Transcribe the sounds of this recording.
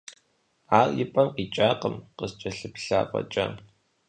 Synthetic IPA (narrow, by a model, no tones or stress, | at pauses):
aːrjɪpʼɐmqiːt͡ʃʼaːqəmqəst͡ʃʼɐɬɨpɬa̰ːpʼɐ̰t͡ʃʼɐ̰